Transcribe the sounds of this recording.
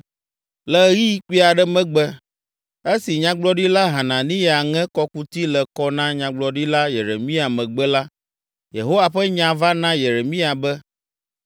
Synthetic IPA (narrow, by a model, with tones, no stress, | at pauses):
lɛ˨˦ɣi˦k͡pi˦a˨ɖɛ˦mɛ̃˦ɡ͡bɛ˦ | e˦si˨ɲã˦ɡ͡blɔ˦ɖi˦la˦ɦa˨nã˨nĩ˦jɛ˨a˨ŋɛ̃˦kɔ˦ku˦t̪i˦lɛ˨kɔ˦nã˦ɲã˨ɡ͡blɔ˨ɖi˦la˦je˨ɾḛ˨mĩ˦a˨mɛ̃˨ɡ͡bɛ˦la˦ | jḛ˨ɦo˦wa˨ɸɛ˦ɲã˨va˦nã˦je˨ɾe˨mĩ˦a˨bɛ˦